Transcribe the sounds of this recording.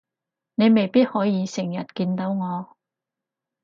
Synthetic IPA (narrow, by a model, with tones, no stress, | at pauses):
ne˨˧jme˨˩jpiː˥t̚hɔː˨˥jiː˨˧sɪ˨˩ŋjɐ˨t̚kiː˧nt̪o˨˥wŋɔː˨˧